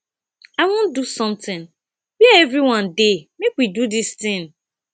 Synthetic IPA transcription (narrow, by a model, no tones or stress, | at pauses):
aɪwõndusɔ̃mtɪ̃n | biɛɛvɾiwãndemekwidudist̪ɪ̃ŋ